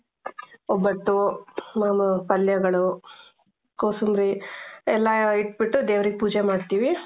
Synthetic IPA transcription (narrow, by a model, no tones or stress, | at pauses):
ɔbːɐʈːumaːmɐpɐljɐɡɐɭu | koːsumɾiɛlːɐiʈ̚biʈːud̪eːʋɾiɡepuːd͡ʒemaːɖt̪iːʋi